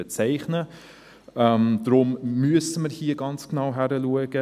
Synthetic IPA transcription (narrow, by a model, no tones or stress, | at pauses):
ɛt͡sɛɪχnə | ɛmd̥ɾʊmmyəsəməɾhiːəɡɑnt͡sknaʊɦæɾəluəɡ̥ə